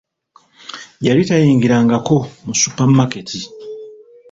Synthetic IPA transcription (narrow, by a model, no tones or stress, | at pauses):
jalitajiːŋɡiɾaŋɡako̞musupamake̞tʰi